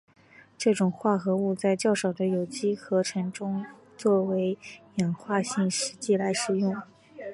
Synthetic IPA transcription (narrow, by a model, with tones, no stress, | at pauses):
ʈ͡ʂɤ˥˩ʈ͡ʂʊ˨˩ŋxwa˥˩xɤ˧˥u˥˧t͡sa˥˧ɪt͡ɕjɑ˥˩ʊʂɑ˨˩ʊd̪ə˦jo˨˩ʊt͡ɕi˥xɤ˧˥ʈ͡ʂʰɤ˧˥ŋʈ͡ʂʊ˥ŋ | t͡swɔ˥˩we˧˥ɪjɛ˨˩nxwa˥˧ɕi˥˩ŋʂɻ̩˧˥t͡ɕi˥˩la˧˥ɪʂɻ̩˨˩jʊ˥˩ŋ